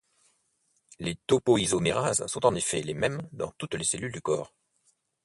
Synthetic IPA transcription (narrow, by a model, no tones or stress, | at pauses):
let̪opoizomeʁazsɔ̃t̪ɑ̃nefɛlemɛmd̪ɑ̰̃t̪ut̪leselyld̪ykɔ̰ːʁ